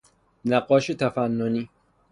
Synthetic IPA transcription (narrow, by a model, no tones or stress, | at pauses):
næɡɒːʃet̪ʰæfænːoniː